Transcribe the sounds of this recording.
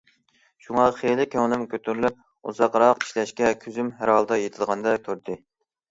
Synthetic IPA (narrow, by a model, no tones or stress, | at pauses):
ʃuŋɑχejlɪkʲʰøŋnˠɪmkʲøt̪ʰyɾlyp̚ | uzɑqɾɑqi̥ʃlɛʃkʲɛkʲʰyzymɦæɾɑlˠd̪ɑjet̪ʰɨlˠʁɑnd̪ɑk̪ʲʰøɾd̪ɪ